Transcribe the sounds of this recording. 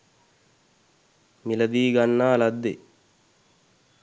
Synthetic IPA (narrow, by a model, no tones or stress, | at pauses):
milɐd̪iːɡanːaːlɐd̪ːe